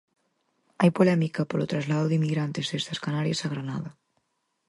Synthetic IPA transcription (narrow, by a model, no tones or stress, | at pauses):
ajpolɛmikɐpolot̪ɾazlaðʊðimiɣɾant̪ezðest̪ɐskanaɾijasaɣɾana̰ðɐ